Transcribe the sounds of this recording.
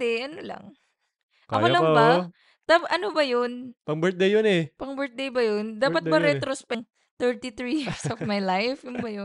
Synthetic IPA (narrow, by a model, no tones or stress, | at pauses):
ɛʔɐnolɐ̰ŋ | ʔkɐ̰olɐbɐ | t̪abʔɐnobɐjonpɐŋbɛɹt̪̚d̪ejːonɛpɐŋbɛɹt̪̚d̪ejbɐjond̪aːpɐt̪̚bɐɾɛt̪ɾospɛŋ | t̪ɛɹt̪it̪ɾijiɹɹsɔvmajlajfjʊnbɐjon